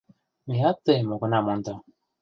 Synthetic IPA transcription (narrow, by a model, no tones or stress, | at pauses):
miat̪ːəmokunamont̪o